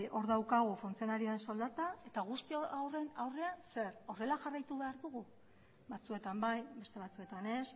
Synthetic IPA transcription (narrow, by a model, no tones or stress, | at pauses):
ʔo̞ɾðawkaɣ̞ufunt͡sio̞naɾioensold̪at̪ae̞t̪aɣ̞ust̪ioawre̞nawreanse̞ɾo̞re̞laʝarajt̪uβe̞aɾðuɣu | bat͡sue̞t̪ambajbe̞st̪e̞βat͡sue̞t̪ane̞s